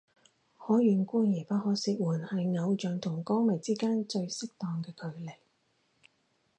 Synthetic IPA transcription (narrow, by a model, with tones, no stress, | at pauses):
hɔː˨˥jyː˨nkuː˥njɛː˨˩pɐ˥t̚hɔː˨˥siː˧k̚wuː˨˩nhɐ˨jŋɐ˨˧wt͡ʃœː˨˧ŋt̪ʰʊ˨˩ŋkɔː˥ŋmɐ˨˩jt͡siː˥kaː˥nt͡ʃɵ˧ɥsɪ˥k̚t̪ɔː˨ŋkɛː˧kʰɵ˨˧ɥlɪ˨˩k̚